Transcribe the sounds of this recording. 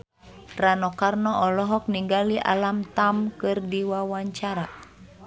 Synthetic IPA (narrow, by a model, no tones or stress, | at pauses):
ranɔkarnɔʔɔlɔɦɔk̚niŋɡaliʔa̰lamt̪amkɨrdiwawaɲt͡ʃaɾa